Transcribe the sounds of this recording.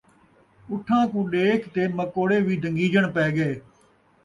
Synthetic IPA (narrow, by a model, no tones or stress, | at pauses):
ʊʈʰːãːkũːɗeːkt̪eːməkoːɽeːʋiːd̪ʱə̃ŋɡiːd͡ʒəɳpɛːɡeː